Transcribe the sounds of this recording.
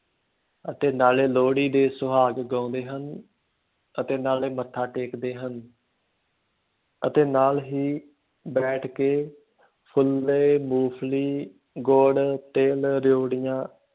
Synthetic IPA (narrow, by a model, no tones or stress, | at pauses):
ət̪eːnaːleːloːɽiːd̪eːsʊɦaːɡɡãːʊnd̪eːɦən | ət̪eːnaːleːmət̪ʰːaːʈeːkd̪eːɦən | ət̪eːnaːlɦiː | bɛːʈʰkeː | pʰʊleːmuːpʰliː | ɡoːɖt̪eːlɾjoːɽɪjãː